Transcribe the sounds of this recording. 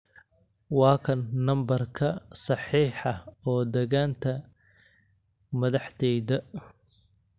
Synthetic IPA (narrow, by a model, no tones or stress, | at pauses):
wɑːkʰɐnːɐmbɐrkʰɐsɑħiːħɑɔːd̪ɛɣaːnt̪ʰɐ | mɐðɑħt̪ʰɛjðɐ